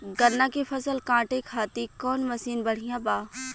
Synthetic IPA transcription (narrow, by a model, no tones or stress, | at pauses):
ɡɐɾnːãkifʰɐsəlkãːʈekʰaːt̪ikɔːnmɐsiːnbɐɽ̤ijãbaː